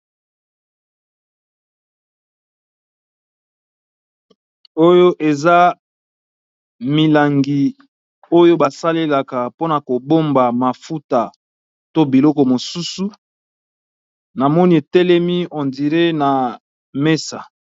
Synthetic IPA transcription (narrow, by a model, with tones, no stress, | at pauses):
o˦jo˦ʔe˨za˦ | mi˨la˨ŋɡi˨ | o˦jo˦ba˨sa˦le˦la˨ka˨po˦na˨ko˨bo˦mba˨ma˨fu˦ta˨ | to˦bi˨lɔ˦kɔ˨mo˨su˦su˦ | na˨mɔ˦ni˦e˨tɛ˦lɛ˦mi˦ɔ˨ndi˨ʁe˦na˨ | me˦sa̰˨